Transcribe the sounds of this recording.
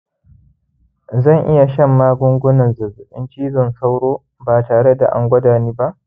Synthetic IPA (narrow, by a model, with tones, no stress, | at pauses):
zɐ˦˨ŋʔɪ˦ja˨ʃɐ˦˨mːaː˦ɡʷʊ˦ŋɡʷʊ˦nɐ˨nzʊ˨zʊ˨ʔɪ̰˦nt͡ʃiː˦zɔ˨nsa˦wɽoː˦ | baː˨taː˨ɽe˦da̰˨ʔa̰˨˦ŋɡʷɐ˦daː˨niː˦ba˦ʔ